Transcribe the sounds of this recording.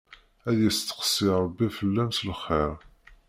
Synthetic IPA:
æðjəst̪ːə̥qsˤːiɾˤəbːifəlːæmslχeɾ

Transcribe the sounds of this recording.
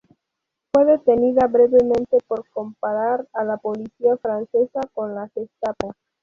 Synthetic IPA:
fwe̞ðe̞t̪e̞niðaβɾe̞βemẽnt̪epoɾko̞mpaɾaɾalapo̞lisiafɾanse̞sako̞nlasest̪apos

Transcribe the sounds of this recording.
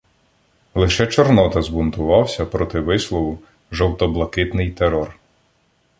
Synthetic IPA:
lˠɪʃɛt͡ʃɔrnɔt̪ɐzbʊnt̪ʊʋɑwsʲɐpɾɔt̪ɪʋɪslˠɔʋʊ | ʒɔwt̪ɔblˠɐkɪt̪nɪjt̪eɾɔr

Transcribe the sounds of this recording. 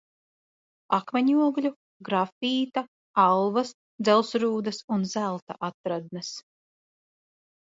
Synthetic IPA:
akmɛɲuɔɡlʲu | ɡɾafiːt̪a | alˠvɐs | d̪zɛlˠsɾuːd̪ɐsunzælˠt̪aʔat̪ɾad̪̚nɨs

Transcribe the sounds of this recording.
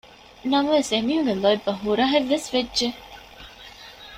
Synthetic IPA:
nɐmɐʋesemiɦuɡelɔibːɐɦuɾaɦeʋːesʋedːʒe

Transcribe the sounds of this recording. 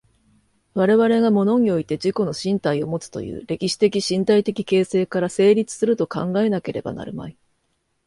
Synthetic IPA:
βaɾe̞βaɾe̞ɡamo̞no̞ɲ̟io̞it̪e̞d͡ʑiko̞no̞ɕĩnt̪aio̞mo̞t͡sɨ̥t̪o̞̰jɯ̟̰ːɾe̞kʲiɕi̥t̪e̞kʲiɕĩnt̪ait̪e̞kʲi̥ke̞ːse̞ːkaɾase̞ːɾʲit͡sɨ̥sɨɾɯ̟t̪o̞kã̰ŋɡae̞nake̞ɾʔe̞ba̰na̰ɾɯ̟ma̰i

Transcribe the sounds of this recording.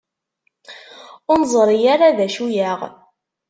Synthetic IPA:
ʊnzˤɾˤijaɾaðæʃujaʁ

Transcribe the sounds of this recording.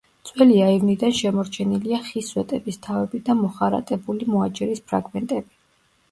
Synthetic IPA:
t̪sʼwɛliaivnid̪anʃɛmɔɾt͡ʃʰɛniliaχiswɛt̪ʼɛbist̪ʰavɛbid̪amɔχaɾa̰t̪ʼɛbulimɔat͡ʃʼɛɾispʰɾa̰ɡmɛnt̪ʼɛbi

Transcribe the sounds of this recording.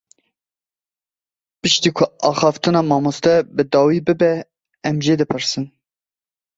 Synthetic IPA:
pɨʃt̪iːkʰʊɑːxɑːft̪ɨnɑːmɑːmust̪ɛbɨd̪ɑːwiːbɨbɛ | ɛmʒed̪ɨpʰɨɾsɨn

